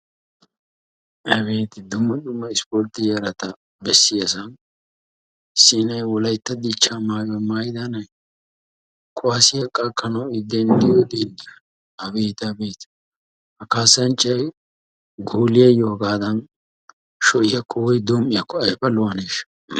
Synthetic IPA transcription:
ʔɛbeːt̪ɪd̪ʊmːɐd̪ʊmːɐɪspoːɾt̪ɪjɐɾɐt̪ɐ | bɛsːɪjɐsɐn | sɪnɐjwɔlɐjt̪ːɐd̪it͡ʃːaːmaːjɐmaːjd̪ɐnɐj | kʰʊwaːsɪjɐkʼɐkːɐnɐwɪd̪ːɛnd̪ɪjoːd̪in | ɐbeːt̪ɐbeːt̪ | hɐkaːsːɐnt͡ʃʼːɐj | ɡuːlɪjɐjoːɡaːd̪ɐn | ʃɔʔɪjɐkʰːɔwɔjd̪oːmːɪjɐkːɔɐjfɐlʊwɐneːʃ

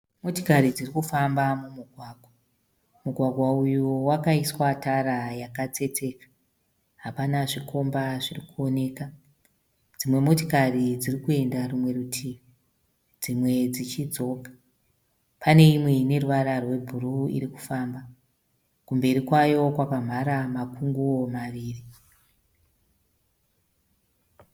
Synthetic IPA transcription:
mo̞tokaɾid͡zirikufambamumuɡʱwaːɡʱwa | muɡʱwaɡʱwaujowakaiswataɾajakat͡se̞t͡se̞kḁ | ɦapanaʐiko̞mbaʐirikuo̞ne̞ːka | d͡zimwemotikarid͡zirikue̞ndarumwe̞rutʰiːmi | d͡zimwe̞d͡zit͡ʃid͡zo̞ːkḁ | pane̞imwe̞ne̞ruʋaɾarwe̞bʱuruḭriku̥faːmba | kumbe̞ɾikwajo̞kwapam̤aɾamakuŋɡuo̞maʋiːri

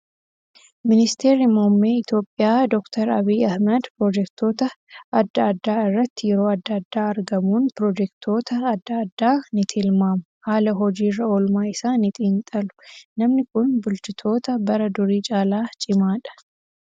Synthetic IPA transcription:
mɪnɪst̪eːɾɪmomːeːɪt̪jo̞ːpʼːɪjaːd̪ɔkt̪ʰɐɾɐ̰biːɐhmɐd̪pɾoːd͡ʒɛkt̪o̞ːt̪ɐɐd̪ːɐɐd̪ːaːɪrːɐt̪ːɪjɛɾo̞ːɐd̪ːɐɐd̪ːaːɐɾɡɐmuːnpɾoːd͡ʒɛkt̪ʰo̞ːt̪ɐːd̪ːɐːd̪ːaːnɪt̪ʰɪlmaːmʊhaːlɐɦɔd͡ʒiːrːɐolmaːɪsaːnɪt̪ʼiːnt̪ʼɐlʊ̥nɐmnɪkʊnbʊlt͡ʃɪt̪ʰo̞ːt̪ɐbɐɾɐd̪ʊɾiːt͡ʃʼaːlaːt͡ʃʼɪmaːᶑɐ̥

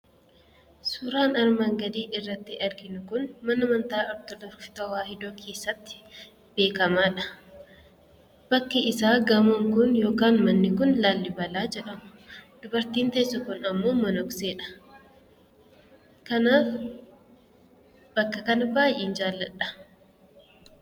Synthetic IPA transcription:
suːɾaːnɐɾmaŋɡɐd̪iːʔɪrːɐt̪ːɪʔɐɾɡɪnʊkʊnmɐnɐmɐnt̪aːɔɾt̪ɔd̪ɔɾft̪ɐwaːhɪd̪oːkʰe̞ːsːɐt̪ːɪ̥ | be̞ːkɐmaːᶑɐ̥ | b̥ɐkːɐɪsaːɡɐmʊŋkʊnjo̞ːkaːnmɐnːɪkʊnlaːlːɪbɐlaːd͡ʒɛᶑɐmʊ̥d̪̥ʊbɐɾt̪iːnt̪ɐːsːɐkʊnɐmːo̞ːmɐnɔkse̞ːᶑɐ̥ | kɐnaːf | b̥ɐkːɐkɐnɐbaːjʔeːnd͡ʒaːlːɐᶑɐ̥

